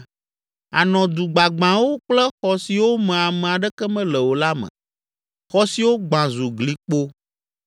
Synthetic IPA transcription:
a˨nɔ̃˨d̪u˨ɡ͡ba˨ɡ͡bã˨wo˦k͡plɛ˦xɔ˨si˨wo˦mɛ̃˨a˨mɛ̃˨a˨ɖɛ˦kɛ˦mɛ̃˦lɛ˨wo˨la˦mɛ̰̃˨ | xɔ˦si˨wo˦ɡ͡bã˨zu˨ɡli˨k͡po˦

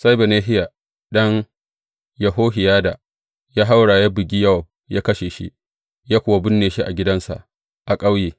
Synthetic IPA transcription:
sa˦jbe˨neː˦ɦɪ˦ja˨ | ɗɐ˦ŋ | ja˨ɦoː˦ɦɪ˨jaː˦da˨ | jaː˦ɦa˦wɽa˨ja˦bɪ˨ɡʲi˦jɐ˦wa˨ | jaː˦kɐ˦ʃe˨ʃḭ˦ʔ | jaː˦kʷʊ˨wa˦bʊ˦nːeː˨ʃi˦ʔa̰˨ɡʲɪ˦dɐ˦nsa̰˨ʔ | ʔa˨kʼa˦wjeː˨

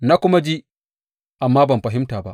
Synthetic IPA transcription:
na˦kʷʊ˦ma˦d͡ʒi˦ | ʔa˨mːaː˦bɐ˨mɸɐ˨ɦɪ˦mtaː˨ba˦ʔ

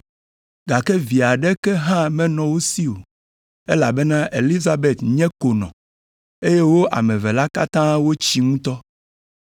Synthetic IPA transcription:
ɡa˨kɛ˦vi˨a˨ɖɛ˦kɛ˦ɦã˦mɛ̃˦nɔ̃˨wo˦si˦o˨ | e˦la˨bɛ˦nã˦ʔe˨li˦za˦be˨t̪ɲɛ̃˦ko˨nɔ̰̃˨ | e˦je˦wo˦ʔa̰˨mɛ̃˨vɛ˨la˦ka˦t̪ã˦wo˦t͡ɕi˦ŋũ˦t̪ɔ˦

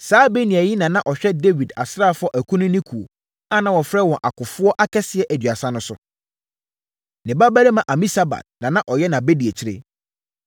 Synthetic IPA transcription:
saː˦be˦nĩ˨æ˨ji˦nã˨nã˦ʔɔ˨ɕᶣɛ˦de˦vi˨da̰˨sɾa˦˨fʊ˦ɔ˦ʔæ˨kʰũ˦nʊ̃˦nɪ̃˦kʰu˨o̰˨ | a˦nã˨wɔ̃˨fɾɛ˦wɔ̃˨ʔa̰˨kʊ˨fʊ˦ɔ˦ʔa˦kʰɛ˦sɪ˨ɛ˨ʔæ˨dɥa˨sã˦nʊ̃˦sʊ˦ | nɪ̃˨ba˦bæ˦ɾe˦mã˨ʔa˨mĩ˦sa˦ba̰˨t̚nã˨nã˦ʔɔ˨jɛ˦nã˨be˦di˨e˨t͡ɕʰi˦ɾḛ˦

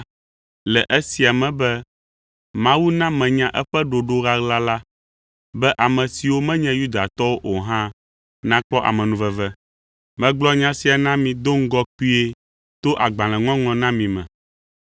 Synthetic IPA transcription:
lɛ˨ʔɛ˦si˨a˨mɛ̃˨bɛ˦ | mã˦wu˦nã˦mɛ̃˨ɲã˦ʔɛ˦ɸɛ˦ɖo˨ɖo˦ɣa˦ɣla˦la˦ | bɛ˦ʔa˨mɛ̃˨si˨wo˦mɛ̃˦ɲɛ̃˦ju˦d̪a˨t̪ɔ˦wo˦ʔo˨ɦã˦ | nã˦k͡pɔ˦ʔa̰˨mɛ̃˨nũ˨vɛ˨vɛ˦ | mɛ̃˦ɡ͡blɔ˦ɲã˦si˨˦a˨nã˦mĩ˨d̪o˦ŋ̩˦ɡɔ˦k͡pi˦e˦ | t̪o˦ʔa˨ɡ͡bã˨lɛ̃˨ŋɔ̃˦ŋlɔ̃˨nã˦mĩ˨mɛ̰̃˨

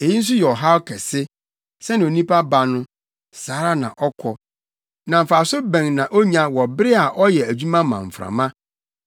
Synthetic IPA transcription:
e˨ji˦n̩˦s̬ʊ˦jɛ˨ɔ˨ɦa˦wkʰɛ˨sɪ˦ | sɛ˦nɪ̃˨o˨nĩ˦pʰa˦ba˨nʊ̃˦ | saː˨˦ɾa˦nã˨ʔɔ˦kʰɔ˨ | nã˨m̩˨faː˨sʊ˦bæ̃˨ŋnã˨ʔo˦ɲã˨wɔ˨bɪ˦ɾɪ˦a˨ʔɔ˦jɛ˨æ˨d͡ʑᶣu˦mã˦mã̰˨ɱ̩˨fɾã̰˨mã˦

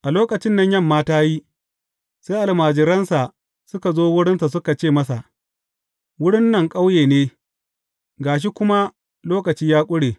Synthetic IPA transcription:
ʔa˨loː˦kɐ˨t͡ʃɪ˦nːɐ˨ɲjɐ˦mːaː˦taː˦ji˦ | seː˦ʔa˨lmaː˨d͡ʒɪ˨ɾɐ˦nsa˨ | sʊ˦ka˨zoː˦wʊ˦ɽɪ˦nsa˨s̬ʊ˦ka˨t͡ʃeː˦˨mɐ˦sa˨ʔ | wʊ˦ɽɪ˦nːɐ˨ŋkʼa˦wjeː˨neː˦ | ɡaː˨ʃ̬i˦kʷʊ˦ma˦ | loː˦kɐ˨t͡ʃiː˦jaː˦kʷʼʊ˦ɽeː˨

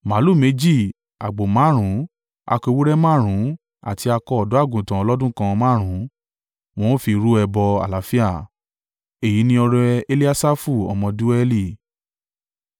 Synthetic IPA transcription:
ma˨˦lu˦˨me˨˦d͡ʒi˦˨ | a̰˨ɡ͡bo˨mã˨˦ɾ̃ũ˨˦ | a̰˧ke˧wu˦ɾɛ˦mãː˦˨ɾ̃ũ˨˦ | a̰˨ti˧a˧kɔ˧˦ɔ˨dɔ̃˨˦a˦˨ɡũ˨tã˨ɔ˧lɔ˦dũ˦kã˧mãː˦˨ɾ̃ũ˨˦ | w̃ɔ̃˦fi˧ɾu˦ɛ˧bɔ˧a̰˨la˨˦fi˦a˦˨ | e˨ji˨˦nĩ˧˦ɔ˧ɾɛ˧e˧li˦a˦sa˦fu˦˨ɔ̰˧mɔ̃˧du˦ɛ˦li˦˨

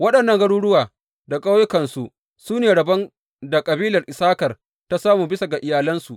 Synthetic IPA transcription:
wɐ˦ɗɐ˨nːɐ˦ŋɡɐ˦ɽuː˦ɽʊ˦waː˨ | da˨kʼa˦wjkɐ˨nsu˦ʔ | suː˦neː˨ɽɐ˨bɐ˦n | da˨kʼɐ˨biː˦lɐ˨rʔɪ˨saː˦kɐ˨r | ta˦saː˦muː˨bɪ˦sa˨ɡa˨ʔɪ˨jaː˨lɐ˦nsu˨ʔ

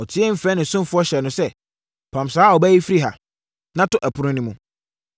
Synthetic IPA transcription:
ɔ˨tʰɪ˦ɛ˦m̩˦˨fɛ˦nɪ̃˨sʊ̃˦m˨fʊ˦ɔ˦ɕɛ˨nʊ̃˨sɛ˦ | pʰã˨msaː˨˦ɔ˨bæ˦ji˦fi˦ɾi˦ɦa̰˨ | nã˦tʊ˦ʔæ˨pʰʊ˨ɾʊ̃˦nĩ˦mũ˨

